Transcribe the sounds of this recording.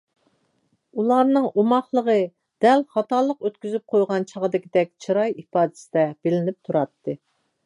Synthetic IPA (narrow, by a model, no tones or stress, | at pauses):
ulˠɑɾnɨŋomɑχlˠəʁə | d̪̥ɛlχɑt̪ɑlˠəqøt̪kʲyzyp̚qʰojʁɑnt͡ʃʰɑʁəd̪ɪkʲid̪ɛk̚ʲt͡ʃʰiɾɑjipɑːd̪ɨ̥sɪd̪ɛb̥ɪlɪnɪp̚t̪ʰuɾɑt̪ʰːɨ